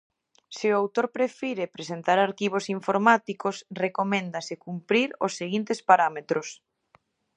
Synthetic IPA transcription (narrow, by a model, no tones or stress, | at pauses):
sɪʊawt̪oɾpɾefiɾepɾesent̪aɾaɾkiβ̞osiɱfoɾmat̪ikosrekomẽnd̪asɪkumpɾiɾo̰sːeɣint̪espaɾamet̪ɾʊs